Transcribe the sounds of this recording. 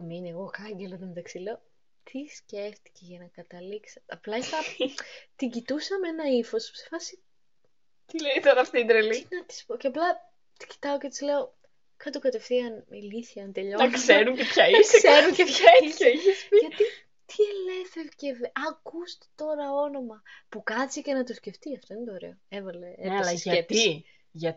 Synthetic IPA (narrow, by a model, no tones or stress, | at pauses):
mineɣo̞kɐɲɟelɐt̪omt̪ɐksileo | t̪ʰisce̞ft̪i̥ceʝɐnɐkɐt̪ɐliksɐ̥t̪ɐplɐit̪ɐt̪iɲɟit̪usɐmenɐifo̞ssefɐsi | t̪ileit̪oɾɐɐft̪iid̪ɾelinɐt̪i̥spoceɐplɐ | t̪i̥ci̥t̪ɐocet̪i̥zleo | kɐt̪okɐt̪e̞fθiɐnmilisiɐnt̪eʎokseɾucepçɐisseɾuceçɐiçeiçespiʝɐi | t̪ʰiele̞feɾcevʔɐkust̪e̥t̪o̞ɾɐo̞no̞mɐpukɐsice̞nɐt̪osce̞ft̪iɐft̪o̞inet̪ooɾḛo̞evɐle̞elɐɐɐt̪i | ʝɐ